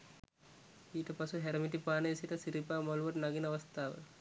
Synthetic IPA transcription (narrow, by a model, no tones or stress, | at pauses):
iːʈɐpɐsuɦeɾɐmiʈipaːnɐʋisiʈɐsiɾipaːmɐluʋɐʈnɐɡinɐɐʋɐst̪ʰaːʋə̰